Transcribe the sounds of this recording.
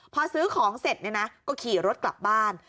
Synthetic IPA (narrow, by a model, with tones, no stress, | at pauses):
pʰɔː˧sɯː˦˥kʰɔː˩˦ŋse˨˩t̪̚ni˥˩na˦˥kɔː˥˩kʰiː˨˩ɾo˦˥t̪̚kla̰˨˩p̚baː˥˩n